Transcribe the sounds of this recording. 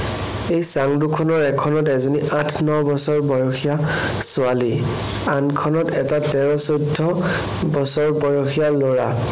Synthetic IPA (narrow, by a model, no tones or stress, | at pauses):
ejsaŋdukʰɔnɔɹɛkʰɔnɔtɛzɔniʔatʰnɔbɔsɔɹbɔjɔxʰija | sʊali | ankʰɔnɔtɛtatɛɹɔsojdʱːɔ | bɔsɔɹbɔjɔxijaloɹa